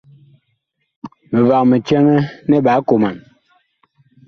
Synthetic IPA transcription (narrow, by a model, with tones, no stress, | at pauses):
me˨va˨k̚me˨t͡ʃɛ˦ŋɛ˦nɛ˦ɓa˨˦ko˨ma˨n